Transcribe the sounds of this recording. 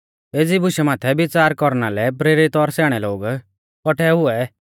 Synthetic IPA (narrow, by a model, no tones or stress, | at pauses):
eːd͡zibʊʃɛmaːt̪ʰɛbɪt͡saːɾkɔɾnalɛp̬ɾeːɾit̪ɔɾsɛːɽ̃ɛloːɡ | kɔʈʰɛɦʊɛ